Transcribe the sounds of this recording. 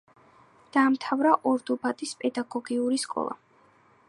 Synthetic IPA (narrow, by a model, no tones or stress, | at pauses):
d̪̥aːmt̪ʰavɾaʔɔɾd̪ubat̪ʼispʼɛd̪aɡɔɡiuɾiskʼɔ̰lˠa̰